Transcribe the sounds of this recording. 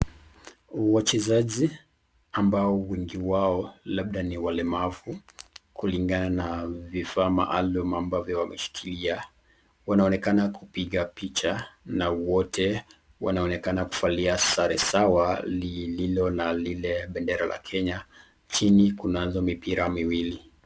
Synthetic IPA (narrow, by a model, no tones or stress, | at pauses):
wat͡ʃɛzaʄi | ambaɔwɛŋɡiwaɔlaɓɗaniwalɛmavukuliŋɡananavifaːma̰ʔalumambavjɔwamɛʃi̥kʰilia | wanaɔnɛkanakupiɠapit͡ʃanawɔtʰɛ | wanaɔnɛkanaku̥faliasaɾɛsawalililɔnalilɛɓɛndɛɾalʔa̰kʰɛɲa | t͡ʃinikunazɔmipiɾamiwili